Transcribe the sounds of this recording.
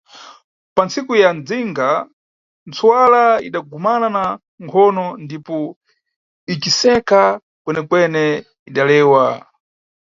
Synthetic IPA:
pant͡sikujand͡ziŋɡa | nt͡sʰwalaḭɗaɡumanana | ŋkʰɔnɔndipɔ | it͡ʃisɛka | kwɛnɛkwɛnɛ | iɗalɛːwa

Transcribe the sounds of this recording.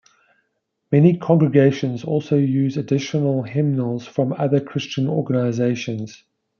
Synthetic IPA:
mɛnikʰɒ̃ŋɡɹəɡeɪʃə̃nzɔˑlˠsəʊjʉːzədɪʃənəlˠɦɪ̃mnəlˠz̥fɹə̃mʌðəkʰɹ̥ɪst͡ʃə̃nɔ̰ːɡənaɪzeɪʃə̃nz̥

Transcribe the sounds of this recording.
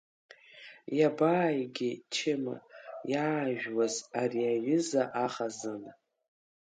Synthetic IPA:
jabaːjɡʲɪt͡ʃʰɪma̰jaːʒᶣwazariaɥʏzaʔaχazɨn

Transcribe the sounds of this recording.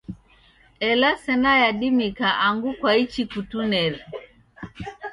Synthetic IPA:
ɛlasɛnajaɗimikaʔaŋɡukwait͡ʃikutunɛli

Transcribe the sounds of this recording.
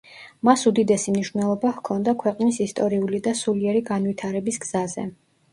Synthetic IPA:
masud̪id̪ɛsimniʃvnɛlˠɔbahkʰɔnd̪akʰwɛqʼnisist̪ʼɔɾiulid̪asuliɛɾiɡanwit̪ʰaɾɛbisɡz̥azɛ̰

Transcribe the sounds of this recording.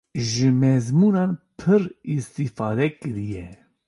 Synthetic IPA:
ʒɨmɛzmuːnɑːnpʰɨɾist̪ifɑːd̪ɛkɨɾijɛ

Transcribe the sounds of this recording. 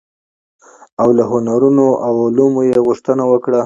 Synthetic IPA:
awlaɦʊnaɾunoʔawʊlumojeɣʊʂt̪ənawəkɽa

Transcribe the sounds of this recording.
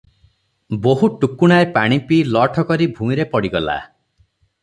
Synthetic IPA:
boɦuʈukuɽ̃aepaɽ̃ipilɔʈʰɔkɔɾibʱũmiɾepɔɽiɡɔla̰

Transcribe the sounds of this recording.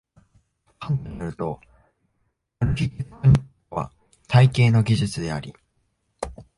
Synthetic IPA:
kãnt̪naɾɯ̟t̪o̞ | oɾɯɡʲiiɨɲ̟i | oβa̰ | t̪ʰaike̞ːno̞ɡʲiʑɨt͡sɨd̪e̞aɾʲi

